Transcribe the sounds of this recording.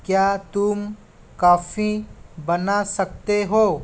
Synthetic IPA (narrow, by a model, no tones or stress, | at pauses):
kjaːt̪ʊm | kaːfibənasək̚t̪eɦoː